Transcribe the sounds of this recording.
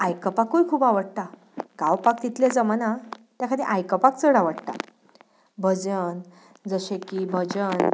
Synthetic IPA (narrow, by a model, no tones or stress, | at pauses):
ajkəpakːujkʰuːbaʋəɽt̪a | ɡ̥awpak̚t̪it̪led͡zəmanat̪jakʰad̪ĩʔajkəpakt͡səɽaʋəɽt̪a̰ | bʱəd͡zən | d͡zəɕẽkibʱəd͡ʑən